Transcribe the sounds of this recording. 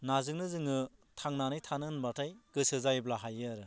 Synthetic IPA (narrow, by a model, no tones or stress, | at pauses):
nazɯŋnɯzɯŋɯtʰaŋnanɯjtʰanɯnbatʰajɡ̥ɯsɯzajblaɦajɯaɾɯ